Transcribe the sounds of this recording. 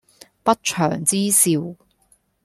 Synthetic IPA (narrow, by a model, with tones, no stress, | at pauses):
pɐ˥t̚t͡ʃʰœ̰ː˨˩ŋt͡siː˥siː˨˧w